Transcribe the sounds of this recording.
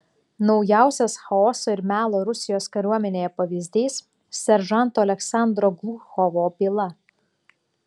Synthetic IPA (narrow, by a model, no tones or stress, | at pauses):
nɒʊjæˑʊsʲɛsxɐɔːsoːɪɾmʲæːlˠoːɾʊsʲɪjoːskɐɾʲuɔmʲɛnʲeːjɛpɐʋʲiːzʲd̪ʲiːs | sʲɛɾʒɑˑnˑt̪oːɐlʲɛksɑˑnd̪ɾoːɡlˠuxɔʋoːbʲilˠɐ